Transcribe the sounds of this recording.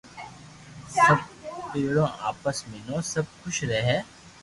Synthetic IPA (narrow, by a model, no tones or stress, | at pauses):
sɐb̚peːɽõaːpəsmẽnõːsɐb̚kʊʃʰɾɛɦɛː